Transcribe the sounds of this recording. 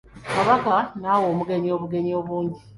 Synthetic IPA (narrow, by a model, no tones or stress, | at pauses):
kaβakanawoːmuɡe̞ɲio̞ːβuɡe̞ɲio̞βuːɲɟi